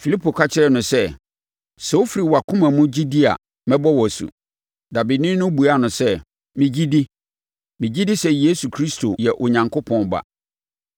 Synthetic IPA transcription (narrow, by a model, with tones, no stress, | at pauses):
fi˨li˦pʰo˨kʰa˦t͡ɕʰɪ˦ɾɛ˦˨nʊ̃˨sɛ˦ | sɛ˨wo˦fi˦ɾi˨wa˨kʰʊ̃˦mã˨mʊ̃˦d͡ʑi˦di˦a̰˨ | mɛ̃˦bɔ˦wɔ˨sṵ˨ | da˨bi˨dnɪ̃˦nʊ̃˦bu˨a˦˨nʊ̃˨sɛ˦ | mɪ̃˨d͡ʑi˦di˦ | mĩ˨d͡ʑi˦di˦sɛ˦je˦su˨kʰɾi˦stʰo˨jɛ˨ʔʊ˨ɲã˨ŋkʰo˦pʰɔ̃˦nba̰˨